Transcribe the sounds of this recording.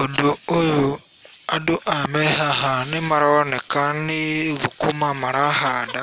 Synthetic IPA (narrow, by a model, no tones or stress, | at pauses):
odoojo | adoʔamehaɦanimaɾaonekaniɣukumamaɾahaːda